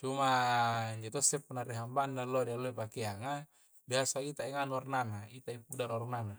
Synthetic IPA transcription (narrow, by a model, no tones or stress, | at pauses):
t͡ʃumaiɲd͡ʒot̪osɛpːanariɦambandalːodialːoipakeaŋa | biasait̪aiŋanuarnaŋait̪aipudanarnana